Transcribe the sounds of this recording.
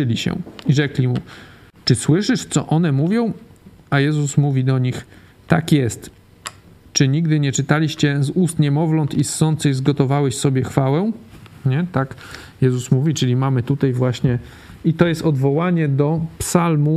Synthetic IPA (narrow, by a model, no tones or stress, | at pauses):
ɘlʲiɕɛ̰iʐɛklʲimṵ | t͡ʂɘswɘʂɘʂt̪sɔ̰ʔɔnɛmuvʲjɔ̃w̃ajɛzusmuvʲid̪ɔɲix | t̪akjɛst̪ | t͡ʂɘɲiɡd̪ɘɲɛt͡ʂɘt̪alʲiɕt͡ɕɛzust̪ɲɛmɔvlɔnt̪isːɔnt̪sɘɣzɡɔt̪ɔvawɛɕsɔbʲjɛxfawɛɲɛt̪ak | jɛzusmuvʲit͡ʂɘlʲimamɘt̪ut̪ajvwaɕɲɛ | it̪ɔjɛst̪ɔd̪vɔwaɲɛd̪ɔpsalmu